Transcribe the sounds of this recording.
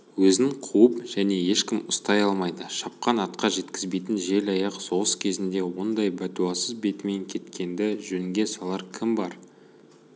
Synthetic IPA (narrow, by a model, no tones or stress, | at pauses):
wɵznɪɴqʰuəpʒ̥æne̞je̞ʃkʲɪmʊst̪ɑjɑlˠmɑjd̪əʃɑp̚qɑnɑt̪qɑʒe̞t̪kʲɪzbe̞jt̪ɪnʒe̞lɑjɑqso̞ʁəskʲʰe̞zɪnd̪e̞wo̞nd̪ɑjbæt̪uɑsəzbe̞t̪me̞ŋkʲʰe̞t̪kʲe̞nd̪ɪʒɵnŋɡʲe̞sɑlˠɑɾkʲʰɪmbɑɾ